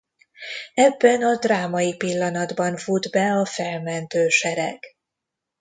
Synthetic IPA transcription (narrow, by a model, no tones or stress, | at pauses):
ɛbːɛnɒd̪raːmɒjipilːɒnɒd̪bɒɱfud̪bɛɒfɛlmɛnt̪øːʃɛɾɛɡ